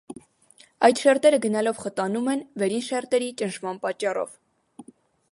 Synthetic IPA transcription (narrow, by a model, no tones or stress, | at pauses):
ɑjt̪ʃɛɾt̪ɛɾəɡənɑlɔvχət̪ɑnumɛnvɛɾinʃɛɾt̪ɛɾit͡ʃənʃmɑnpɑt͡ʃːɑrɔ̰v